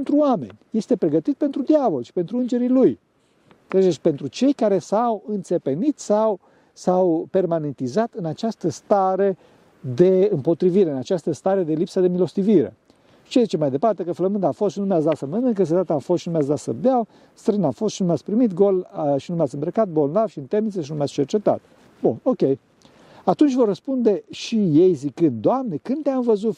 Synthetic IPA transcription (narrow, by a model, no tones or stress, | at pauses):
pent̪ɾuoame̞̰nʲje̞st̪e̞pɾe̞ɡət̪it̪̚pe̞nt̪ɾud̪javolʃi̥pe̞nt̪ɾuɨnd͡ʒe̞ɾiluj | kɾeʒd͡ʒesʲpe̞nt̪ɾut͡ʃe̞jkaɾe̞sawɨnt̪se̞pe̞nit̪saw | sawpe̞rmane̞nt̪izat̪ɨnat͡ʃast̪əst̪aɾe | d̪e̞ɨmpo̞t̪ɾiviɾeɨnat͡ʃast̪əst̪aɾe̞d̪e̞lipsəd̪e̞milo̞st̪iviɾe̞̰ | t͡ʃezit͡ʃe̞majd̪e̞part̪e̞kəfləmɨnd̪amfost̪ʃinumeatsd̪at̪səmənɨŋkəs̬et̪at̪əamfost̪ʃinumeas̬d̪asə̰d̪eaw | st̪ɾeənamfo̞st̪ʃinumeatsʲpɾimit̪ɡo̞lʃinumeat̪ʲɨmbɾəkat̪̚bo̞lnavʃiɨnt̪emit̪seʃinumejatsʲt͡ʃe̞rt͡ʃe̞t̪a̰t̪̚ | buno̞kʲe̞j | at̪unt͡ʃʲvo̞rəspund̪e̞ʃije̞jzikɨnd̪̚d̪oamne̞kɨnd̪t̪eamvəzut̪